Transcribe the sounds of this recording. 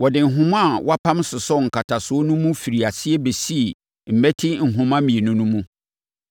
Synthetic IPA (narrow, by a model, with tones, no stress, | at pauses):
wɔ˨dɪ˨ŋ̩˨ɦʊ̃˦mã˦˨wa˦pʰã˦msʊ˨sɔ˦ŋ̩˨kʰa˨tʰa˨sʊ˨˦o˦nʊ̃˦mũ˦fi˨ɾi˨a˨sɪ˦ɛ˦be˨si˦e˨ | m̩˨mɛ˦tʰɪ˦ŋ̩˨ɦʊ̃˨mã˦mĩ˨e˨nʊ̃˦nʊ̃˦mũ˦